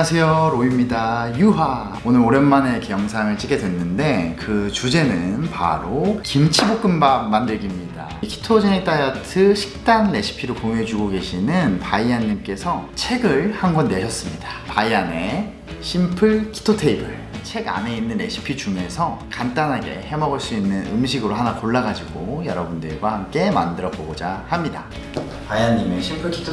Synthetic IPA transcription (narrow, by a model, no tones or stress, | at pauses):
asʰe̞joɾoimɲidajuɦa | onɯɾoɾenmane̞kejʌŋsʰaŋɯɭt͡ɕ͈iɡe̞dwe̞nːɯnde̞kɯt͡ɕud͡ʑe̞nɯnpa̰ɾokimt͡ɕʰibok͈ɯmbam̚mandɯɭɡimɲida̰kʰi̥tʰod͡ʑenik̚t͈ajatʰɯɕʰi̥k̚t͈anɾe̞ɕʰi̥pʰiɾokoŋe̞d͡ʑuɡoɡe̞ɕʰinɯnpaianːimk͈e̞sʰʌt͡ɕʰe̞ɡɯɭhanɡʌnːe̞ɕʰʌs͈ɯmɲidḁpaiane̞ | ɕʰimpʰɯɭkʰi̥tʰotʰe̞ibɯɭ | t͡ɕʰe̞ɡa̰ne̞inːɯne̞̰ɕʰi̥pʰit͡ɕuŋe̞sʰʌkant͈anɦaɡe̞̰he̞mʌɡʌɭs͈uinːɯnɯ̰mɕ̬ʰiɡɯɾoɦanakoɭːaɡad͡ʑiɡojʌ̰ɾʌbundɯɭɡwahamk͈e̞ma̰ndɯɾʌboɡod͡ʑahamɲida̰ | paiaɲːimeɕʰimpʰɯɭkʰi̥tʰ